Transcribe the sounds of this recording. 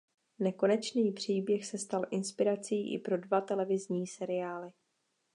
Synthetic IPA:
nɛko̞nɛt͡ʃniːpr̝̥iːbjɛxsɛst̪alʔɪnspɪɾat͡siːʔɪ̰pɾo̞dvat̪ɛlɛvɪzɲiːsɛɾɪaːlɪ

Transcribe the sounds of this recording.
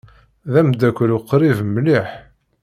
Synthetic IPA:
ðæmd̪ːækʷːluqːɾivmliħ

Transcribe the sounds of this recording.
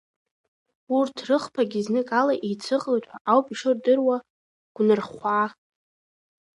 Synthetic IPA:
urtʰrɨχpʰaɡʲɪznɨkʼalaʔejt͡sʰɨqʼltʷʼaʔawpʼiʂɨrdɨrwa | ɡ̥ʷnɨrχʷa

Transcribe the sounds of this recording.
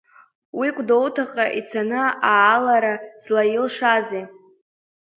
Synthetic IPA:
wikʷʼdowtʰaqʼaʔit͡sʰanɨaːlaɾaz̥lajɪlʂaze

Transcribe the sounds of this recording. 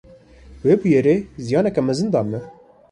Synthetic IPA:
weːbujeɾeːzijɑːnɛkɛmɛzɨnd̪ɑːmɛ

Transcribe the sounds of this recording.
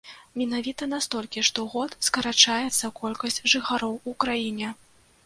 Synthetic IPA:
mʲɛn̪avʲit̪ɐnast̪ɔlʲkʲiʂt̪ɔɣɔt̪skɐɾat͡ʂajɛt̪sːɐkɔlʲkɐsʲt͡sʲʐɨxaɾɔwukɾajinʲɛ

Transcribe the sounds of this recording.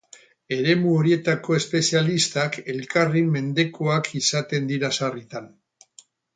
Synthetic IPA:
e̞ɾe̞muo̞ɾie̞t̪ako̞e̞spe̞sialist̪ake̞lkarimːe̞nd̪e̞ko̞akʰisat̪e̞nd̪iɾasarit̪an

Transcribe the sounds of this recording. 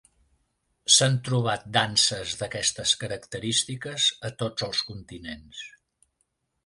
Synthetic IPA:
sant̪ɾuβ̞at̪̚d̪ansəzðəkɛst̪əskəɾəkt̪əɾist̪ikəzət̪od͡zəlˠskunt̪inens

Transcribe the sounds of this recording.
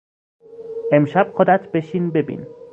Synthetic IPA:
ʔe̞mʃæb̥̚xod̪æt̪ʰbe̞ʃiːnbe̞bḭn

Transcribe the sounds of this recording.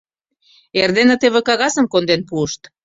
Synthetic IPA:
erd̪enĕt̪eβekɑɣɑsə̆mkond̪enpuəʃt̪

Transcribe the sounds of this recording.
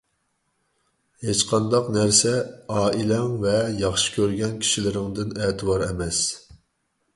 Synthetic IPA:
het͡ʃqʰɑnd̪ɑqnæɾsɛɑːilɛŋvɛjɑχʃi̥kʲʰøɾɡʲɛnkʲʰi̥ʃilɪɾɪŋd̪ɪnɛːt̪ʰɪwɑɾɛmɛs

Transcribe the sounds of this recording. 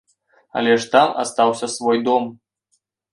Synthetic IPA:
a̰lʲɛʂt̪ama̰st̪awsʲɐsvɔjd̪ɔm

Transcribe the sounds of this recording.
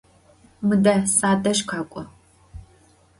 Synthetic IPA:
mɨdaːsaːdɐʃkʷʰaːkʷʼɔ

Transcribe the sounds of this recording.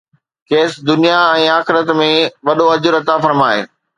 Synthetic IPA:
keːsd̪ʊnijaɛ̃ːaːxɪɾət̪mẽʋɐɗoɐd͡ʑʊɾɐt̪afɐɾmaːḛː

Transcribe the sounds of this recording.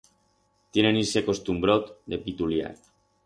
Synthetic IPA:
t̪jeneniseko̞st̪umbɾot̪d̪epit̪ulja̰n

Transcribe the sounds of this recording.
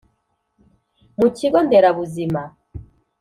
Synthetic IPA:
muciɡondeɾaβuzima

